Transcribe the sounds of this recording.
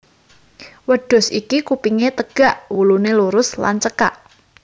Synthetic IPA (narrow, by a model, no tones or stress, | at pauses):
wəɖ̥ʊ̤sʔikikupiŋet̪əɡ̥a̤ʔwuluneluɾʊsla̰nt͡ʃəkaʔ